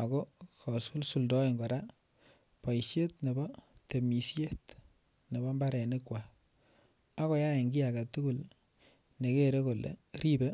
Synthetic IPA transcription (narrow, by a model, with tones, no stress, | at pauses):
a˨ɡo˦kɔ˨su˦lsu˨ldɔ˦i˨ŋɡɔ˨ɾa˦ | pa˨i˨sje˦tne˨bɔ˦te˨mi˨sje˦t | ne˨bɔ˦mba˦ɾɛ˨ni˦kwa˨ | a˦kɔ˨˦ja˦e˨ŋɡi˦a˨ɡa˨tu˦ɡu˦l | ne˨ke˦ɾe˦ko˨lḛ˨ɾi˦be˦